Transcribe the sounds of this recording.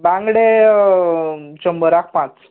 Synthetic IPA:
bãŋɡɽe | t͡ɕəmbəɾak̚ʰpãt͡s

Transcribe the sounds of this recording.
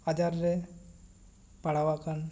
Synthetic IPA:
ad͡ʒaɾːe | paɽ̤awakan

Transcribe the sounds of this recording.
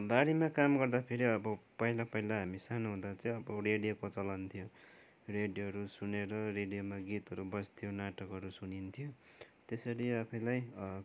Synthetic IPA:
baɾimakamɡʌrd̪apʰeɾiʌbʌpʌɦilapʌɦilaɦamisanuɦũd̪at͡sʌĩʌbʌreɽijokot͡sʌlant̪ʰijo | reɽijoɦʌɾusuneɾʌreɽijomaɡit̪ɦʌɾubʌst̪ʰjonaʈʌkɦʌɾusunint̪ʰijot̪esʌɾiʌpʰʌjlaj

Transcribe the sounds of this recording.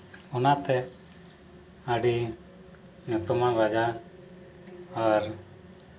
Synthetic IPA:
ɔnat̪ɛ | aɖi | ɲut̪umaɾad͡ʒa | ɾ

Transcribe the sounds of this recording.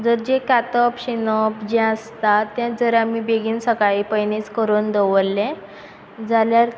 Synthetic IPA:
d͡zəɾd͡ʑekat̪əpɕinɔpd͡ʑɛ̃əst̪at̪jãd͡zəɾamibeɡiːnsəkaɭiːpəjnit͡skəɾuːnd̪əʋəlːɛ̃ | d͡zaljaɾ

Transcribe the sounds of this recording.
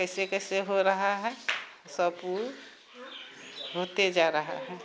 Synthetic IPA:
kəɪsekəɪseɦoɾəɦaɦɛ | səbu | ɦot̪ed͡ʒaɾəɦa̰ɦɛ

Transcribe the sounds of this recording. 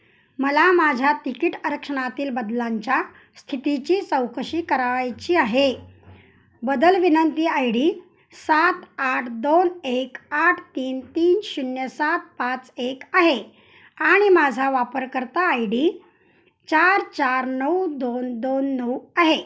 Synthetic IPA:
məlamad͡ʑʱjat̪ikiʈəɾəkʂəɳ̃at̪iːlbəd̪laɲt͡ɕja | st̪ʰit̪it͡ɕiːt͡səwkəɕiːkəɾaʋajt͡ɕiːaɦe | bəd̪əlʋinənt̪iːajɽiː | sat̪aʈʰd̪onekaʈʰt̪iːnt̪iːnɕunjəsat̪̚pat͡sekaɦe | aɽ̃imad͡zʱaʋapəɾkəɾt̪aːjɽiː | t͡ɕaɾt͡ɕaɾnəwd̪ond̪onːəwaɦe

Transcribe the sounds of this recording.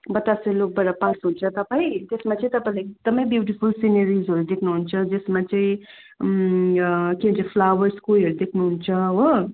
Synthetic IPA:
bʌt̪aslok̚baɾapãsɦunt͡sʰʌt̪ʌpaĩt̪esmat͡sʌĩt̪ʌpaĩlaɡ̚d̪əmʌĩbjuʈipʰulsinəɾizɦʌɾud̪ekʰnuɦunt͡sʰʌd͡zesmat͡saĩ | kinʌt͡sapʰlawəɾskulɦʌɾud̪ekʰnuɦunt͡sʰʌwʌ

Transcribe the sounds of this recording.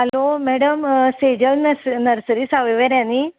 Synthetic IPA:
ɦəlomɛɽəmsed͡ʑəlnnəɾsəɾisaʋeʋəɾjãni

